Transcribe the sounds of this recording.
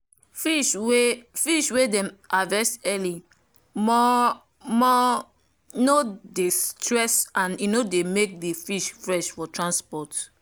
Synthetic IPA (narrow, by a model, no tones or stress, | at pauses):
fiʃwefiʃwedɛ̃mavɛstɛli | mɔ | mɔ | nodestɹɛsãninodemek̚defiʃfɹɛʃfɔtʰɹãnspɔt